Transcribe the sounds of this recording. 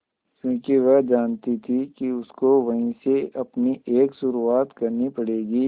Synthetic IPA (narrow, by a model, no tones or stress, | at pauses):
kjũːkiʋɛɦd͡ʒaːnt̪it̪ʰikiʊskoʋɐɦĩseɐpnieːksʊɾuaːt̪kɐɾnipɐɽeːɡiː